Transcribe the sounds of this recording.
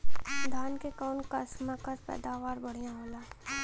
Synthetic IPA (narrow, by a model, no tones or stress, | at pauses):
d̪ʱaːnkekaːnkasmakɐɾpɛ̰ːd̪aːʋaːɾbɐɽ̤ijãɦoːlaː